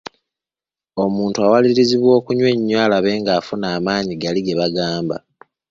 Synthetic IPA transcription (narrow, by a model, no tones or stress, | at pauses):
o̞muːntuawaliɾiziβwo̞ːkuɲwe̞ɲːwaːlaβe̞ːŋɡaːfunaːmaːɲiɡaliɡe̞βaɡaːmba̰